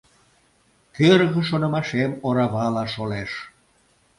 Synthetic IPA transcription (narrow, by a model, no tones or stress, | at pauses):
kørɣə̆ʃ̬onə̆mɑʃemoɾɑβɑlɑʃoleʃ